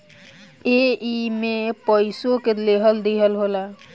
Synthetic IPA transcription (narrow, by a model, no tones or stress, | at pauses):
eimepəɪsõkeleɦəld̪iɦəlɦola